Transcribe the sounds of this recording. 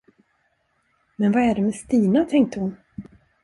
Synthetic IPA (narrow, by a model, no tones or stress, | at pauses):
mɛnvaæɖɛmɛst̪iːnat̪ʰɛŋk̚t̪əhʊn